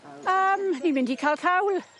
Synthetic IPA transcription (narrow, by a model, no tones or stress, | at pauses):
əmnimɪ̃ndikʰalkʰawl